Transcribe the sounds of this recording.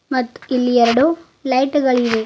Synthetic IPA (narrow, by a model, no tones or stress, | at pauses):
mɐt̪ːu̥ilːiɛɾɐɽu | lɐjʈɡɐɭiʋe